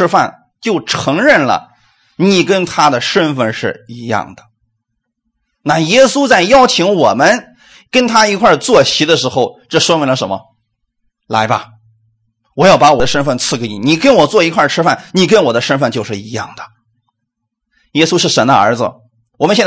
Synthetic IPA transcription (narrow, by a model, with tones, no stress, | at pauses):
fa̰˥˩n | t͡ɕjo˥˩ʊʈ͡ʂʰɤ˧˥ŋɻə˥˩nlə̰˩ | ni˨˩kə˥nt̪ʰa˥d̪ə˨ʂə˥nfə˥˧nʂɻ̩˥˩i˧˥jɑ̰˥˩ŋd̪ə̥˩ | na˥˩jɛ˥su˥t͡sa˥˩ɪjɑ˥ʊt͡ɕʰi˧˥ŋwɔ˨˩mə˦n | kə˥nt̪ʰa˥i˧˥kʰwa˥˧t͡swɔ˥˩ɕi˧˥d̪ə˧ʂɻ̩˧˥xo˥˧ʊʈ͡ʂɤ˥˩ʂwɔ˥mi˧˥ŋlə˧ʂə˧˥mə̰˧ | la̰˧˥ɪba̰˧ | wɔ˨˩jɑ˥˩ʊpa˧˥wɔ˨˩d̪ə˦ʂə˥nfə˥˧nt͡sʰɹ̩˥˩ke˧˥ɪni˨˧˩ni˨˩kə˥nwɔ˨˩t͡swɔ˥˩i˧˥kʰwa˥˩ʈ͡ʂʰɻ̩˥fa˥˩nni˨˩k̬ə˥nwɔ˨˩d̪ə˦ʂə˥nfə˥˧nt͡ɕjo˥˧ʊʂɻ̩˥˩i˧˥jɑ̰˥˩ŋd̪ə̥˩ | jɛ˥su˥ʂɻ̩˥˩ʂə˧˥nd̪ə̰˧ə̰˞˧˥d͡zɹ̩̰˧ | wɔ˨˩mə˦ɕɛ˥˧˥